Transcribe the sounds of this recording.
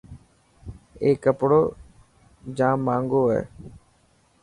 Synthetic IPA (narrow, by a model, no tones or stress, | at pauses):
eːkːəpɽoː | d͡ʒãːmːãːŋɡoːɦɛ̰ː